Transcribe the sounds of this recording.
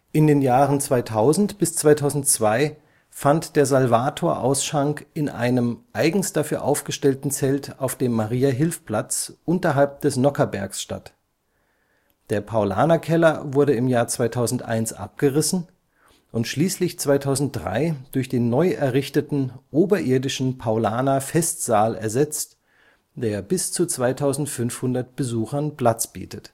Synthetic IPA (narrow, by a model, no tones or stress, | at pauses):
ʔɪndeːnjaːʁənt͡sv̥aɪtʰaʊzn̩tb̥ɪst͡sv̥aɪtʰaʊzn̩tt͡sv̥aɪ | fantd̥eːɐzalvaːtʰoːɐʔa̰ʊsʃʁaŋkɪnʔaɪnəmʔaɪɡŋ̩std̥afyːɐʔaʊfɡ̥əʃtɛltn̩t͡sɛltaʊfd̥eːmːaʁiːaɦɪlfpl̥at͡sʔʊntɐɦalp̚d̥ɛsnɔkɐbɛɐksʃta̰t | d̥eːɐpʰaʊla̰ːnakʰɛlɐvʊɐɾəɪmjaːɐt͡sv̥aɪtʰaʊzn̩tʔa̰ɪnsʔa̰p̚ɡ̥əʁɪsn̩ | ʔʊntʃliːslɪçt͡sv̥aɪtʰaʊzn̩t̚d̥ʁa̰ɪd̥ʊɐçd̥eːnːɔʏʔɛɐʁɪçtətn̩ʔoːbɐʔɪɐdɪʃn̩pʰaʊlaːnafɛstz̥aːlɛ̰ɐzɛt͡st | d̥eːɐbɪst͡sut͡sv̥aɪtʰaʊzn̩tfʏnfhʊndɐt̚b̥əzuːxɐnpl̥at͡sb̥ḭːtʰət